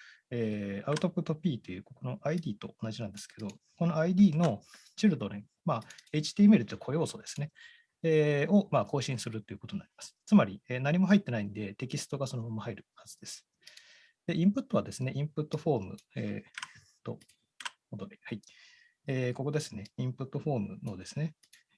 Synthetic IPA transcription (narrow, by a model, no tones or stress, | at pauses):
eːaɯ̟t̪opɯ̟t̪ːo̞pʲiːt̪o̞jɯ̟ːkokono̞ʔaid̪ʲiːt̪o̞̰onaʑinãnd̪e̞sɨ̥ke̞d̪o̞ko̞no̞aid̪ʲiːno̞ | t͡ɕiɾɯ̟d̪o̞ɾe | maːe̞it͡ɕi̥t̪iːmeɾɯ̟t̪ːokʰo̞jo̞ːsod̪e̞sɨ̥ne̞ | eːo̞maːko̞ːɕĩɰ̃sɨɾɯ̟t̪ːo̞jɯ̟kot̪onnːaɾʲimasɨ̥t͡sɨmaɾʲieːnaɲ̟imo̞ɦait̪ːe̞naĩnd̪e̞t̪e̞kʲisɨ̥t̪o̞ɡaso̞nobomohaiɾɯ̟hazɨd̪e̞sɨ̥ | d̪̥e̞ʔĩmpɯ̟t̪ːo̞βad̪e̞sɨne̞ʔĩmpɯ̟t̪ːo̞ɸo̞ːmɯ̟̰ḛ | t̪o̞̰ | od̪oɾʲihai | eːko̞ko̞d̪e̞sɨ̥ne̞ĩmpɯ̟t̪ːo̞ɸo̞ːmɯ̟̰no̞d̪e̞sɨne̞